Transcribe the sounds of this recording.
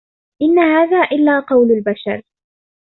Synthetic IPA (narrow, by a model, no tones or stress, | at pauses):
ʔɪnːahaːðaːʔɪlːaːqɑwlalbaʃɑ̰ɾˤ